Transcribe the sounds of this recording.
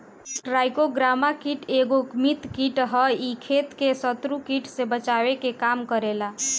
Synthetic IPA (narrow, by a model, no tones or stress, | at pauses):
ɾajkoɡɾamakiʈeɡokmit̪kiʈɦəikʰet̪kesət̪ɾukiʈsebət͡ʃawekekamkəɾela